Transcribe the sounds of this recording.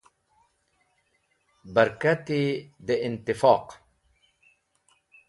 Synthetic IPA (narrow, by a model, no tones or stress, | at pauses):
baɾkat̪id̪eɪnt̪ɪfɑːq